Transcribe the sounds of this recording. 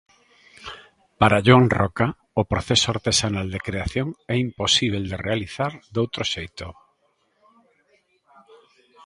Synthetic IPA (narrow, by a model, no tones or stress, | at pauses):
paɾaʝoaŋrɔka | opɾoθesoaɾt̪esanald̪ekɾeaθjoŋɛimposiβ̞eld̪erealiθaɾd̪owt̪ɾoʃejt̪o